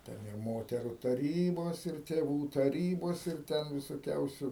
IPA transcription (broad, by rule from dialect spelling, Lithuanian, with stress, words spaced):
ˈtʲɛn ɪr ˈmoːtʲɛrʊ tɐˈrʲiːboːs ɪr tʲeːˈʋuː tɐˈrʲiːboːs ɪr ˈtʲɛn ʋʲɪsoːˈkʲɛʊsʲʊ